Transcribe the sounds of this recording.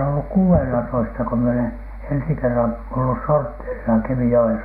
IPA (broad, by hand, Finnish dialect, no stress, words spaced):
olːuk kuːenelɑtoistɑ ko mie olen ensi kerːɑn olːus sortːeːrisɑ kemijoen